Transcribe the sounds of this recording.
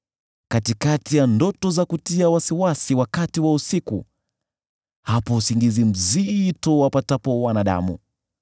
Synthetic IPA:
katikatijandɔtɔzakutiawasiwasiwakatiwausikṵ | hapɔusiŋɡizim̩zitɔwapatapɔwanaɗa̰mṵ

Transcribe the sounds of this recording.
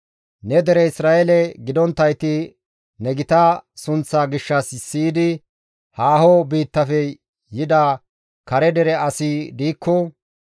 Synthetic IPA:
nɛd̪ɛɾɛɪsɾaːʔɛlɛɡɪd̪ɔnt̪ːɐjt̪ɪ | nɛɡɪt̪ɐsʊnt͡sːaːɡɪʃːɐsɪsːiːd̪ɪ | haːhɔbiːt̪ːɐfɛ | jɪd̪a | kɐɾɛd̪ɛɾɛɐsid̪iːkʰːɔ

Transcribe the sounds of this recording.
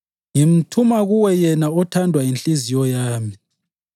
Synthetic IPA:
ŋim̩tʰumaɣuwɛjɛnaɔtʰandʱwainɬʼizijɔjaːmi

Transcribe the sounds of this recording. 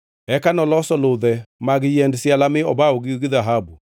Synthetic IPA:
ɛkanɔlɔsɔloðɛmaɣejɛndesjalameɔbaoɣeoɣiðaɦabu

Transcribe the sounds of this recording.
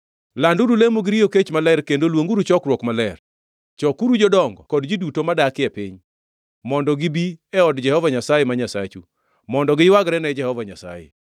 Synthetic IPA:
landuɾulemoɡɪɾioket͡ʃmalɛrkendolwoŋɡuɾut͡ʃɔkɾwɔkmalɛr | t͡ʃɔkuɾud͡ʒɔdɔŋɡɔ̰kɔdd͡ʒidutomadakɪɛpɪ̰ɲ | mɔndɔɡibiɛɔdd͡ʒɛhɔvaɲasajɛmaɲasa̰t͡ʃṵ | mɔndɔɡɪwaɡɾɛnɛd͡ʒɛhɔvaɲa̰sa̰jɛ̰

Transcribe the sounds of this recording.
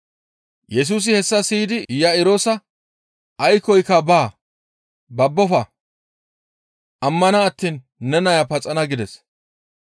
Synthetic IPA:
jɛs̬uːs̬ɪhɛsːɐsiːd̪ɪjɐɪɾoːsɐ | ɐjkɔjkːɐbaː | bɐbːɔfɐ | ʔɐmːɐnɐːt̪ːiːn | nɛnɐjɐpɐt͡sʼɐnɐɡɪd̪ɛs

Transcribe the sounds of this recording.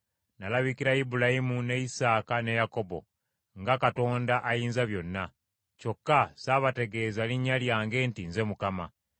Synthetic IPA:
nalaβikiɾaibulajimune̞isaːkane̞jako̞bo̞̰ | ŋɡakato̞ːndaʔajiːnzaβjo̞nːa | co̞kːasaːβate̞ɡe̞ːzaliɲːaljaːŋɡe̞ːntinze̞mukama

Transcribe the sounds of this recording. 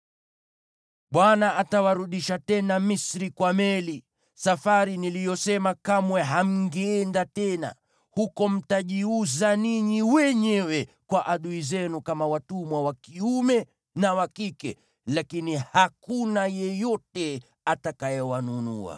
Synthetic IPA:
ɓwanaatawaɾuɗiʃatɛnamisɾikwamɛli | safaɾinilijɔsɛmakamwɛɦam̩ŋɡɛːɛndatɛna̰ | hukɔm̩taʄiuzaniɲiwɛɲɛwɛkwaʔaɗuizɛnukamawatumwawakiumɛ | nawakikɛ | lakinihakunajɛjɔtɛ | atakajɛwanunṵa̰

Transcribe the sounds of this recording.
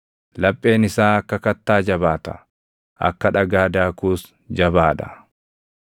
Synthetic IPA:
lɐpʼːe̞ːnɪsaːɐkːɐkɐt̪ːaːd͡ʒɐbaːt̪ɐ̥̰ | ʔɐ̰kːɐᶑɐɡaːd̪aːkuːs | d͡ʒɐbaːᶑ̪ɐ̥̰

